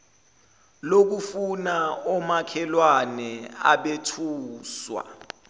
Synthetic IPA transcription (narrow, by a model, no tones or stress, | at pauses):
lok̬ufunaɔmakʰɛlwanɛa̰ɓetʰuːswa̰